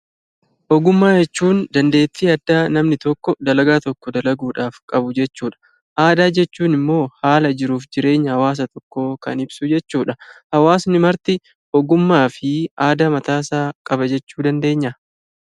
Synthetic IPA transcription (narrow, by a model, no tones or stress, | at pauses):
ʔɔɡʊmːaːd͡ʒɛt͡ʃːuːnd̪ɐnd̪e̞ːt̪ːɪɐd̪ːaːnɐmnɪt̪ɔkːɔd̪ɐlɐɡaːt̪ɔkːɔd̪ɐlɐɡuːᶑaːfkʼɐbʊd͡ʒɛt͡ʃːuːᶑɐ̥ | ʔaːd̪aːd͡ʒɛt͡ʃːuːnɪmːo̞ːhaːlɐd͡ʒɪɾuːfd͡ʒɪɾe̞ːɲːɐhɐwaːs̬ɐt̪ɔkːoːkɐ̰nɪb̥sʊd͡ʒɛt͡ʃːuːᶑɐhɐwaːsnɪmɐɾt̪ɪ | ɔɡʊmːaːfɪaːd̪aːmɐt̪aːsaːkʼɐbɐd͡ʒɛt͡ʃːuːd̪ɐnd̪e̞ːɲːɐ